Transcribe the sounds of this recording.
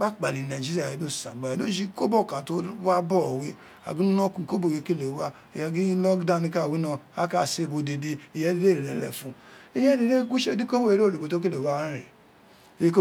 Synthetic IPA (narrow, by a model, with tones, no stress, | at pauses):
k͡pa˦˨k͡pa˨li˨na˨d͡ʒi˦a˨e˨˦do˦˨sã̰˨ɡ͡ba˨no˦d͡ʒi˦ko˦bo˦˨kã˨to˦wa˦bɔ˦˨wi˦ | a̰˨ɡu˦nu˦nɔ˦ku˨ko˦bo˨je˨ki˦le˨˦wa˦ | e˨ja˨˧ɡi˦lɔ˦ɡda˦˨ni˧˦ka˦˨wi˦nɔ˧a˦ka˦˨se˦˨bo˨de˨de˨˧i˨jɛ˦de˦de˦ɾe˨lɛ˨˦lɛ̰˨fũ˨i˦jɛ˦de˨de˦ɡʷu˦ʃe˦di˦ko˦he˦ɾo˦˨e˨bo˨to˦k̬e˦le˨wa˦ɾḛ˨ | je˦ko˦